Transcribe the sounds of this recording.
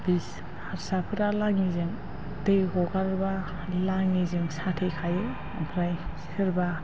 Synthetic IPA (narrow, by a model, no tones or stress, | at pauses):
bis | haɾsapʰɯɾalaŋizeŋ | deɡɔɡaɾba | laŋizeŋsatʰejkʰajɯ | a̰mpʰɾajsi̥kʰɯɾba